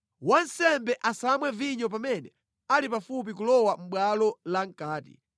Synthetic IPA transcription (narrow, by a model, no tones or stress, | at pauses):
wan̩sɛmbɛʔasamwɛviɲɔp̬amɛnɛ | alipafup̬ik̬ulɔwam̩ɓwalɔlaŋ̩kaːtḭ